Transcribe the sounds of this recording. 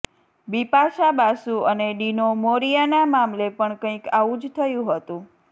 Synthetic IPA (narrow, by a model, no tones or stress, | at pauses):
bipaʃabasũəneɖinomoɾijanamamlepəɳkə̃ĩkaʋũd͡ʒt̪ʰəjũɦət̪ũ